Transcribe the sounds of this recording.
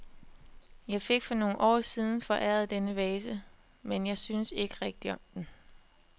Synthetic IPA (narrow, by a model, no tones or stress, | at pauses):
jɑ̈ɪfe̝ɡ̥fɒ̽no̝ːn̩ʔɒ̰ːsiːð̞ˠn̩fɒ̽ʔæɐð̩ˠd̥enəʋɛːsə | menjɑ̈ɪsynse̝ɡ̥əʁɛɡ̥̚d̥iɒ̽md̥en